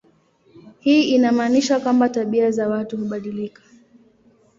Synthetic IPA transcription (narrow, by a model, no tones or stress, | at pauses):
hiːinamaːniʃakwambataɓiazawatuhuɓaɗilikḁ